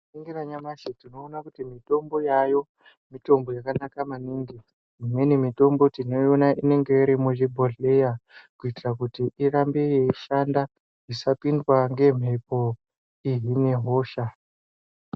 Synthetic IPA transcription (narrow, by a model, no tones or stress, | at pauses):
iŋɡiraɲamaʃetino̞ːnakutimito̞mbo̞jajo̞ | mito̞mbo̞jakanakamaniːŋɡi | imwe̞nimito̞mbo̞tino̞jonaʔine̞ŋɡe̞iɾimuʐibʱoɮejakuitirakutiʔirambe̞jeiʃanda | isapindwaŋɡe̞m̤e̞po̞ | iɦine̞ɦo̞ːʃa